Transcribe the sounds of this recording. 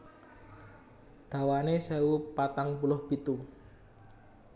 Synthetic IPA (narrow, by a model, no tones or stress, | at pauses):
d̪̥a̤wanesɛwupat̪aŋpulʊhb̥it̪u